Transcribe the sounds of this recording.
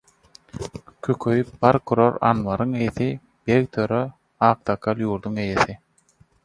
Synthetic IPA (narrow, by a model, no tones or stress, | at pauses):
kʰøkʰøjypbɑɾkʰuɾoɾɑ̰nʋɑɾɯŋejeθi | b̥eɣt̪ʰøɾø | ɑːq̚t̪ɑkʰɑlˠjuːɾd̪uŋejeθi